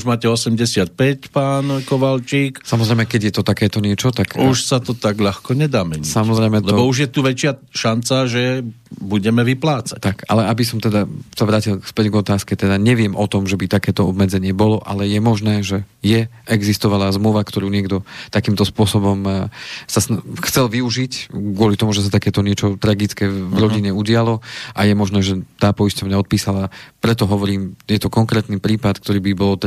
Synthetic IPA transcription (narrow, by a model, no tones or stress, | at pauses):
uʒmaːcɛɔsɛmɟɛsɪat̪̚pɛcpaːnkɔʋalt͡ʃiːksamɔzɾɛɪjmɛkɛɟjɛt̪ɔt̪akɛːt̪ɔɲɪɛt͡ʃɔt̪akuʃsat̪ɔt̪aɡʎaxkɔɲɛd̪aːmɛɲisamɔzɾɛɪmɛlɛbɔuʒjɛt̪uʋɛt͡ʃɪaʃant͡saʒɛ | buɟɛmɛʋiplaːt͡sḁct̪ːaka̰lɛabisɔmt̪ɛd̪asaʋɾaːcilspɛɟɡɔt̪aːskɛt̪ɛd̪aɲɛʋɪɛmʔɔt̪ɔmʒɛbit̪akɛːt̪ɔɔbmɛd͡zɛɲɪɛbɔlɔʔalɛjɛmɔʒnɛːʒɛ | jɛ | ɛɡzist̪ɔʋalazmluʋakt̪ɔɾuːɲɪɛɡd̪ɔt̪akiːmt̪ɔspʊɔsɔbɔmsasxt͡sɛlʋiuʒicɡʊɔlit̪ɔmuʒɛs̬at̪akɛːt̪ɔɲɪɛt͡ʃɔt̪ɾaɡit͡skɛːvɾɔɟiɲɛuɟɪalɔʔajɛmɔʒnɛːʒɛt̪aːpɔiscɔʋɲaɔt̪̚piːsalapɾɛt̪ɔɦɔʋɔɾiːmjɛt̪ɔkɔŋkɾɛːt̪nipɾiːpat̪kt̪ɔɾiːbibɔlt̪